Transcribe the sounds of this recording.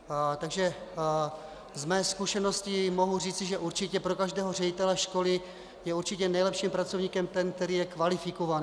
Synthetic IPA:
t̪aɡʒɛ | zmɛːskuʃɛno̞scɪmoɦur̝iːt͡sɪʒɛʔuɾt͡ʃɪcɛpɾo̞kaʒdɛːɦor̝ɛɟɪt̪ɛlɛʃko̞lɪ | jɛuɾt͡ʃɪcɛnɛjlɛpʃiːmpɾat͡sovɲiːkɛmt̪ɛnk̚t̪ɛɾiːjɛkvalɪfɪkovan

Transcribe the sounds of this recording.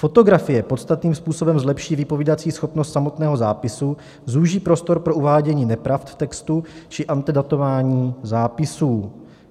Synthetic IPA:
fo̞t̪o̞ɡɾafɪjɛpot̪st̪at̪niːmspuːso̞bɛmzlɛpʃiːvɪpo̞viːdat͡siːsxo̞pnost̪samo̞t̪nɛːɦo̞zaːpɪsu | zuːʒiːpɾo̞st̪o̞ɾpɾo̞ʔuvaːɟɛɲiːnɛpɾaft̪ft̪ɛkst̪ut͡ʃɪʔant̪ɛdat̪o̞vaːɲiːzaːpɪsuː

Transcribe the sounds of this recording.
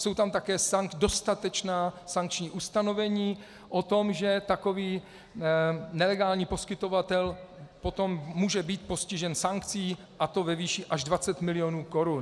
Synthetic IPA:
so̞wt̪amt̪akɛːsado̞st̪at̪ɛt͡ʃnaːsaŋk̚t͡ʃɲiːʔust̪ano̞vɛɲiː | ʔot̪o̞mʒɛt̪ako̞viː | nɛlɛɡaːlɲiːpo̞skɪt̪o̞vat̪ɛlpo̞t̪o̞mːuːʒɛbiːt̪̚po̞scɪʒɛnsaŋkt͡siː | ʔat̪o̞vɛviːʃiʔaʒdvat͡sɛt̪mɪlɪjonuːko̞ɾun

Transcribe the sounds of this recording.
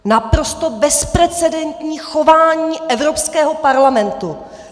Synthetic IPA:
napɾost̪obɛspɾɛt͡sɛdɛnt̪ɲiːxovaːɲiːʔɛvɾo̞pskɛːɦo̞paɾlamɛnt̪u

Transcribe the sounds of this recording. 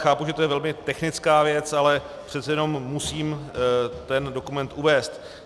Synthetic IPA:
xaːpuʒɛt̪ojɛvɛlmɪt̪ɛxnɪt͡skaːvjɛt͡salɛ | pr̝̥ɛt̪t͡sɛjɛno̞mːusiːmt̪ɛndo̞kumɛnt̪ʔuvɛːst̪

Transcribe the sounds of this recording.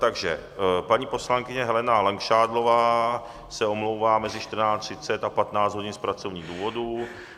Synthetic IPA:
t̪aɡʒɛ | paɲiːpo̞slaŋkɪɲɛɦɛlɛnalaŋkʃaːdlo̞vaː | sɛo̞mlo̞wvaːmɛzɪʃt̪r̩naːt͡st̪r̥ɪt͡sɛt̪apat̪naːt͡sd͡z̪ɦo̞ɟɪnspɾat͡so̞vɲiːɣduːvo̞du

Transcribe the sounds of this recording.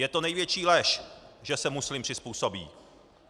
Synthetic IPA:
jɛt̪o̞nɛjvjɛt͡ʃiːlɛʃʒɛsɛmuslɪmpr̝̥ɪspuːsobḭː

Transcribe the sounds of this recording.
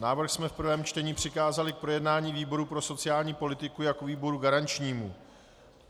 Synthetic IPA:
naːvr̩xsmɛfpr̩vɛːmt͡ʃt̪ɛɲiːpr̝̥ɪkaːzalɪk̚pɾo̞jɛdnaːɲiːviːbo̞ɾupɾo̞so̞t͡sɪjaːlɲiːpo̞lɪt̪ɪkujakviːbo̞ɾuɡaɾant͡ʃɲiːmu

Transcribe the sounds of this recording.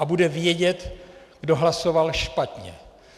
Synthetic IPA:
abudɛvjɛɟɛt̪ | ɡ̥do̞ɦlaso̞valʃpat̪ɲɛ̰

